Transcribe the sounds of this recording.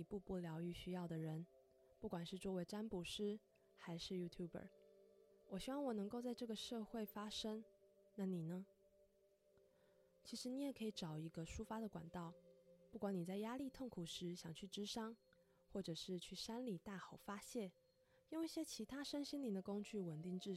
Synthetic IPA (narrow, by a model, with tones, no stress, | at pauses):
i˨˩pu˥˧pu˥˩ljɑ˧˥ʊy˧˩ɕy˥jɑ˥˩ʊd̪ə˩ɻə˧˥n | pu˥˩kwa˨˩nʂɻ̩˥˧t͡swɔ˥we˧˥ɪʈ͡ʂa˥npu˧˥ʂɻ̩˥ | xa˧˥ɪʂɻ̩˥˩ju˥t̪ʰju˥˩bə̰˨˩˦ | wɔ˨˩ɕy˥wɑ˥˩ŋwɔ˨˩nɤ˧˥ŋko˥˧ʊt͡sa˥˧ɪʈ͡ʂɤ˥˩ɡə˩ʂɤ˥˧xwe˥˩ɪfa˥ʂə˥ŋ | na˥˩ni˨˩nə˦ | t͡ɕʰi˧˥ʂɻ̩˧˥ni˧˥jɛ˨˩kʰɤ˧˥i˨˧˩ʈ͡ʂɑ˨˩ʊi˧˥ɡə˧ʂu˥fa˥d̪ə˨kwa̰˨˩nt̪ɑ˥˩ʊpu˥˩kwa˧˥ni˨˩t͡sa˥˩ɪja˥li˥˧t̪ʰo˥˩ŋkʰu˨˩ʂɻ̩˧˥ɕjɑ˨˩ŋt͡ɕʰy˥˩ʈ͡ʂɻ̩˥ʂɑ˥ŋ | xwɔ˥˩ʈ͡ʂɤ˨˩ʂɻ̩˥˧t͡ɕʰy˥˩ʂa˥nli˨˩t̪a˥˩xɑ˨˩ʊfa˥ɕjɛ˥˩n | jo˥˧ŋi˥˩ɕjɛ˥t͡ɕʰi˧˥t̪ʰa˥ʂə˥nɕi˥nli˨˩d̪ə˧ko˥ŋt͡ɕy˥˩wə˨˩nt̪i˥˧ŋʈ͡ʂɻ̩˥˩